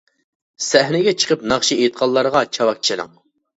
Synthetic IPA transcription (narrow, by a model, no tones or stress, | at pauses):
sɛɦnɪɡʲɛt͡ʃʰə̥qəpnɑχʃiet̪̚qʰɑlˠːɑɾəʁɑt͡ʃʰɑwɑk̚t͡ʃʰiɾɨ̰ŋ